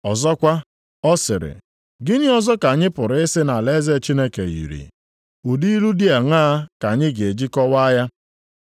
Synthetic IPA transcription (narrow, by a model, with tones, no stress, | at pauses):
ɔ˨zɔ˦kʷa˦ | ɔ˦sɪ̰˨ɾɪ̰˨ | ɡɪ˦ɲɪ˦ɔ˦zɔ˦ka˨ɲɪ˦pʊ˨ɾɪ˦sɪ˦na˨le˦ze˦˨t͡ʃi˦ne˦kḛ˨jḭ˨ɾḭ˨ | u˨di˦i˦ɾu˦di˦a˨ŋaː˦ka˨ɲɪ˦ɡe˨d͡ʒi˦kɔ˦wa˦ja˦